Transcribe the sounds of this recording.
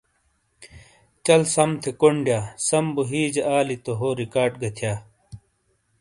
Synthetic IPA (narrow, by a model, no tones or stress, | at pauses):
t͡ɕɐlsɐmt̪ʰekoɳɖjaːsɐmbuɦiːd͡ʑeʔaːlit̪oɦoːɾikaːɖɡɐt̪ʰjaː